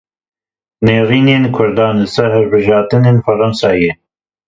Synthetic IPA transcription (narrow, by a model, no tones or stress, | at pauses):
neːɾiːneːnkʰʊɾd̪ɑːnɨsɛɦɨɾbɨʒɑːt̪ɨneːnfɐɾɐnsɑːje